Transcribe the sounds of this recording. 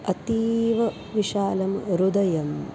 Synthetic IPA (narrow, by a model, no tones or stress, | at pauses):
ɐt̪iʋɐ | ʋiʃaːlɐmɾud̪ɐjɐm